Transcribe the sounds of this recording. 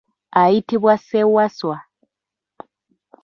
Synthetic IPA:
aitiβwasɛwaswa

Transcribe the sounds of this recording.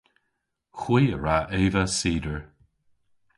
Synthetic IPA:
xwiːəɹaʔeːvəsiːdəɹ

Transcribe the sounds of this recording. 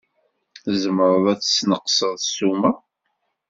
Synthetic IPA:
θzəməɾəðˤæt͡sːsnəqsəðˤsumæ

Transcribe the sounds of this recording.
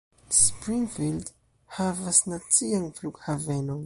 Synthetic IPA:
spɾiŋfild̪ | havasinat͡siaŋifluku̥havenoŋ

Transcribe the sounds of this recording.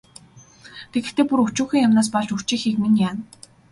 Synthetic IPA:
t̪ʰeɣɘ̆xt̪eːpuɾut͡ɕuːxĭːŋjamnaːs̬pɔɮt͡ɕuxt͡ɕiːxiːkminjaːn

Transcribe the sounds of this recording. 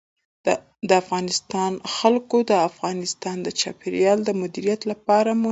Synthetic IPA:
d̪əafɣɑnɪst̪ɑnxalkod̪əafɣɑnɪst̪ɑnd̪ət͡ʃɑ̰peɾjɑld̪əmʊd̪iɾijat̪lapɑɾamu

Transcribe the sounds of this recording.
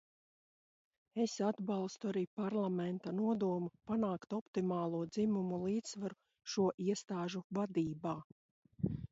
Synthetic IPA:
esad̪balˠst̪uaɾiːpaɾlˠamɛnt̪anuɔd̪uɔmupanaːkt̪ɔpt̪imaːlˠuɔd̪zimumulˠiːt̪ssvaɾu | ʃuɔʔiɛst̪aːʒuvad̪iːbaː

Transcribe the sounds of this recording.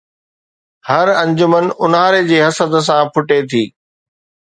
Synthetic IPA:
hɐɾɐ̃ɲd͡ʑʊmənʊnɦaːɾed͡ʑeːɦɐsəd̪s̬ãpʰʊʈet̪ʰiː

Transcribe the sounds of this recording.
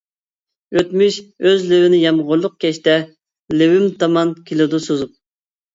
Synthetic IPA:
øt̪myʃøzlɪwɪnɪjɑmʁʊɾlˠʊq̚kʲʰɛʃt̪ɛ | lɪwymt̪ʰɑmɑnkʲʰilɪd̪usozup̚

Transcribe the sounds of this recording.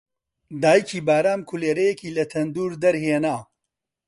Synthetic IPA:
d̪aːjikʰiːbaːɾaːmkʰuleːɾɐjekiːlɐt̪ʰɐnd̪uːɾd̪ɐɾɦeːnaː

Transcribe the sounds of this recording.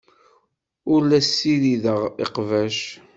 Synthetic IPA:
ʊɾlæsːiliðəʁḭqvæʃ

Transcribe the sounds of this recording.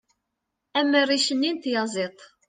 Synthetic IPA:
æmːərːiʃənːint̪jɑzˤet̪ˤ

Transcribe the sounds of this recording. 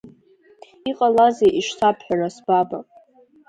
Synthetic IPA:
iqʼalazeʔiʃtʰapʰħᶣaɾasbaba̰pʼ

